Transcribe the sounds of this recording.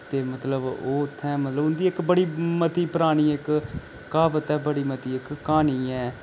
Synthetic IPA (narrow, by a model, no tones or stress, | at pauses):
t̪eːmət̪ləboːt̪ʰːɛ̃ːmət̪ləbʊnd̪iːɪkbəɽiːmət̪iːpəɾaːɽ̃iːɪk | kaːʋət̪ɛːbəɽiːmət̪iːɪkːaːniːɛː